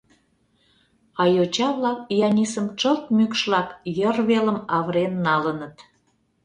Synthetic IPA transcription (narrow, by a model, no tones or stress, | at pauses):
ɑjot͡ɕɑβlɑk̚ijɑnʲisəmt͡ʃəlt̪̚mykʃlɑkjərβeləmɑβɾenːɑlənət̪